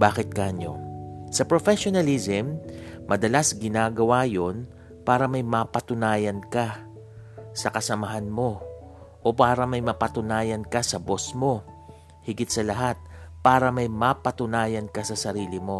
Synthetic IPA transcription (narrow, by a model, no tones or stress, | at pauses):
baːkɪt̪̚kɐʔɐɲo̰sɐpɾofɛʃonɐlizɛmːɐd̪ɐlasɡɪnaːɡɐwaːjo̞n | paːɾɐmɐjmapɐt̪ʊnaːjɐnka | sɐkɐsɐmɐɦanmo̞ | ʔopaːɾɐmɐjmɐpɐt̪ʊnaːjɐnkɐsɐbo̞smo̞ | hɪɡɪt̪̚sɐlɐɦat̪̚paːɾɐmɐjmapɐt̪ʊnaːjɐnkɐsɐsɐɾiːlɪmo̞